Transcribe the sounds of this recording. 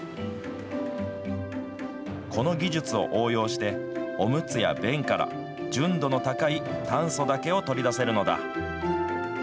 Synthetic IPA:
kʰo̞no̞ɡʲiʑɨt͡sɨo̞̰ʔoːjo̞ːɕi̥t̪e̞o̞mɯ̟t͡sɨja̰bẽ̞ŋkaɾa̰ | d͡ʑɨ̃nd̪o̞no̞t̪akait̪ʰãɰ̃so̞d̪ake̞o̞t̪o̞ɾʲid̪ase̞ɾɯ̟no̞d̪a̰

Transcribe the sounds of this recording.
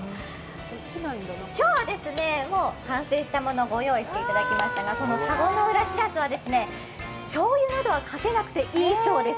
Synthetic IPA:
ɯ̃ | kinaĩnd̪onkʲo̞ːβad̪e̞sɨne̞mo̞ːkãɰ̃se̞ːɕi̥t̪amo̞no̞ɡo̞jo̞ːiɕi̥t̪e̞it̪ad̪akʲimaɕi̥t̪aɡako̞no̞kaɡo̞noɯ̟ɾaɕiasɨβad̪e̞sɨne̞ | ɕo̞ːjinad̪o̞βakʰake̞nakɯ̟t̪e̞ʔiːso̞ːd̪e̞s

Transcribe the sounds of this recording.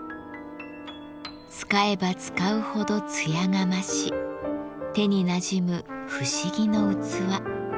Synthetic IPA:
t͡sɨ̥kae̞bat͡sɨ̥kaɯ̟ho̞d̪o̞t͡sɨjaŋamaɕi | t̪e̞ɲ̟inaʑimɯ̟ɸɯ̟ɕiɡʲino̞ɯ̟t͡sɨβa

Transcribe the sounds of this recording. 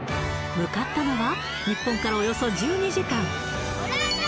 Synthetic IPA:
mɯ̟kat̪ːano̞βa | ɲ̟ipːõ̞ŋkaɾaojo̞so̞d͡ʑɨːɲ̟iʑikãŋ

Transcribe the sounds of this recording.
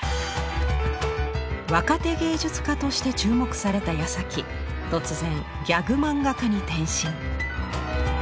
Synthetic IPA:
βakat̪e̞ɡe̞ːd͡ʑɨt͡sɨ̥kat̪o̞ɕi̥t̪e̞t͡ɕɨːmo̞kɯ̟̥saɾe̞t̪ajasakʲi | t̪o̞t͡sɨzẽ̞ŋ | ɡʲaɡɯ̟mãŋɡakaɲ̟it̪ẽ̞ɰ̃ɕĩŋ

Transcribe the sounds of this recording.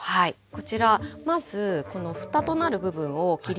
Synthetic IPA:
hai | ko̞t͡ɕiɾamazɨko̞no̞ɸɯ̟̥t̪at̪o̞naɾɯ̟bɯ̟bɯ̟̃ɰ̃o̞kʲiɾʲ

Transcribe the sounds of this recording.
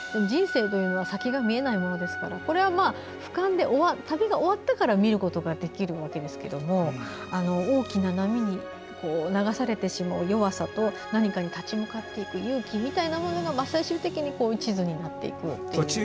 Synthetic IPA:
sonoʑd͡ʑĩɰ̃se̞ːt̪o̞jɯ̟ːno̞β̞asakʲiɡamʲie̞naimo̞no̞d̪e̞sɨ̥ka̰ɾako̞ɾe̞βamaː | ɸɯ̟̥kãnd̪e̞ʔo̞βat̪abeɡao̞βat̪ːakaɾamʲiɾɯ̟ko̞t̪o̞ɡad̪e̞kʲiɾɯ̟βake̞d̪e̞sɨ̥ke̞d̪o̞mo̞ | ano̞o̞ːkʲinanamʲiɲ̟i | ko̞ːnaɡasaɾe̞t̪e̞ɕimaɯ̟jo̞βasat̪o̞ | naɲ̟ikaɲ̟it̪at͡ɕimɯkat̪ːe̞ikɯ̟jɯ̟ːkʲimʲit̪ainamo̞no̞ɡamasaiɕɨːt̪e̞kʲiɲ̟iko̞ːit͡ɕizɨɲ̟inat̪ːe̞̰ḭkɯ̟t̪ːe

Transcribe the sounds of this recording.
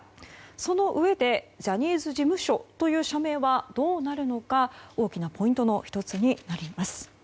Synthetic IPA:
so̞no̞ʔɯ̟e̞d̪e̞ʑaɲ̟iːzɨʑimɯ̟ɕo̞t̪o̞jɯ̟ːɕame̞ːβad̪̥o̞ːnaɾɯ̟no̞kao̞ːkʲinapo̞ĩnt̪o̞no̞çi̥t̪o̞t͡sɨɲ̟inaɾʲimasɨ̥

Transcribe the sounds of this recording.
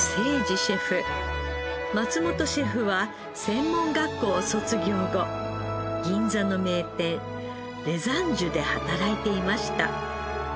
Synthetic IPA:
se̞ːd͡ʑiɕe̞ɸɯ̟ | mat͡sɨmo̞t̪o̞ɕe̞ɸɯ̟βa | sẽ̞mːõ̞ŋɡakːo̞ːso̞t͡sɨɡʲo̞ːɡo̞ | ɡʲĩnd͡zano̞me̞ːt̪ẽ̞ | ɾe̞zãɲd͡ʑɨd̪e̞hat̪aɾait̪e̞imaɕi̥t̪a̰

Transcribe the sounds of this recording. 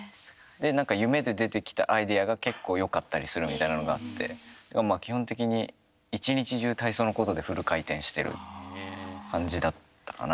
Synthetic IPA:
d̪e̞nãŋkajɯ̟me̞d̪e̞d̪e̞t̪e̞kʲi̥t̪a̰ʔaid̪e̞aɡake̞kːo̞ːjo̞kat̪ːaɾʲisɨɾɯ̟mʲit̪ainanoɡa̰at̪ʰːe̞̰d̪aɡamaːkʲihõ̞nt̪e̞kʲiɲ̟i | it͡ɕiɲ̟it͡ɕiʑɨːt̪aisoːno̞ko̞t̪o̞d̪e̞ɸɯ̟ɾɯ̟kait̪ẽ̞ɰ̃ɕi̥t̪e̞̰ɾɯ̟̰ | kãɲ̟d͡ʑid̪at̪ːḁka̰na

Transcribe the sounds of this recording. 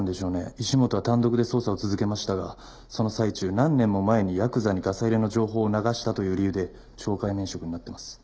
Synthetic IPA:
nd̪e̞ɕo̞ːne̞̰iɕimo̞t̪o̞βat̪ãnd̪o̞kɯd̪e̞so̞ːsao̞t͡sɨzɨke̞maɕi̥t̪aɡa | so̞no̞sait͡ɕɨːnãnːẽ̞mːo̞mae̞ɲ̟ijakɯ̟zaɲ̟iɡasaiɾe̞no̞d͡ʑo̞ːɦo̞ːnaɡaɕi̥t̪at̪o̞jɯ̟ːɾʲijɯ̟ːd̪e̞ | t͡ɕo̞ːkaimeɰ̃ɕo̞kɯ̟ɲinat̪ːe̞masɨ̥

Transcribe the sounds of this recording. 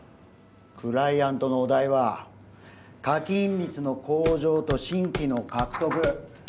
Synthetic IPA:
kɯ̟ɾaiãnt̪o̞noːd̪aiβa | kakʲĩnʲɾʲit͡sɨno̞ko̞ːʑo̞ːt̪o̞ɕĩŋkʲino̞kakɯ̟̥t̪o̞kɯ̟

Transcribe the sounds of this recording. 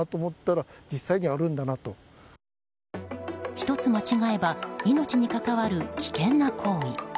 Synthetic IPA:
at̪oːmot̪ːaɾad͡ʑisːaiɲ̟iaɾɯ̟̃nd̪anat̪o̞ | çi̥t̪o̞t͡sɨmat͡ɕiɡae̞baino̞t͡ɕiɲ̟ikakaβaɾɯ̟kʲi̥kẽ̞nːakʰo̞ːḭ

